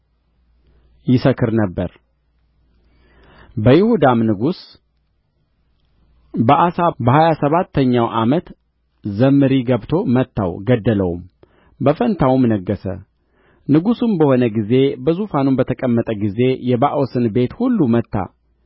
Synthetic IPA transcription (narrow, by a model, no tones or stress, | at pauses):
jɪsəkʰːɨɾnəbːəɾ | bəjɪhud̪amnɨɡus | bəʔasabəhajasəβat̪ʰːəɲːawʔamət̪ | zəmːɨɾiɡəβt̪ʰo̞mət̪ʰːa̰wɡəd̪ːələwṵm | bəfənt̪ʰawumnəɡːəsə̰ | nɨɡusunbəho̞nəɡize̞bəzufanunbət̪ʰəkʼəmːət̪ʼəɡize̞jɛβaʔwosɨnbe̞t̪hulːumət̪ːa̰